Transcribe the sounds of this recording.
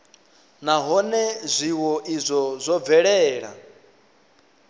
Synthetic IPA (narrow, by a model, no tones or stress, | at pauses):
naɦɔnɛzʷiwɔʔizʷɔzʷɔb̪vɛɺɛːɺa̰